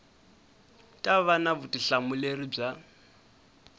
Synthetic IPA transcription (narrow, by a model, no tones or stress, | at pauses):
tʼaβanaβutʼiɬamulerib͡ʐa